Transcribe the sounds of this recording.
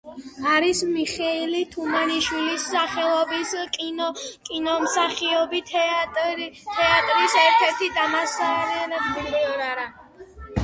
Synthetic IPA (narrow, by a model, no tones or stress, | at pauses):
aɾismiχɛilit̪ʰumaniʃwilisːaχɛlˠɔbisk̪ʼkʼinɔmsaχiɔbi | t̪ʰɛat̪ʼɾisɛɾt̪ʰɛɾt̪ʰid̪amasaɾilɛbbiɾiɔɾaɾa